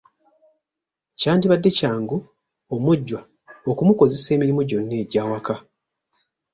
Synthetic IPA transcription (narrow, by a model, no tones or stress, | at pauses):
caːndiβadːe̞caːŋɡu | omuɟːwa | okumuko̞ze̞se̞ːmiɾimuɟo̞nːe̞ːɟaːwaka